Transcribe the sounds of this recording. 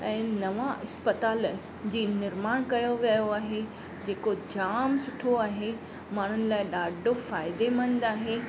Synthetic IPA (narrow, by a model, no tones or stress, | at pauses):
ɛ̃ːnɐʋãɪspət̪aːl | d͡ʑiːnɪɾmaːɽ̃kɐjoʋɐjoaːɦe | d͡ʑeːkod͡ʑaːmsʊʈʰoaːɦe | maːɽ̤ʊnɪ̆laːɪɗaːɖʱofaːɪd̪emɐ̃ñnd̪aːɦe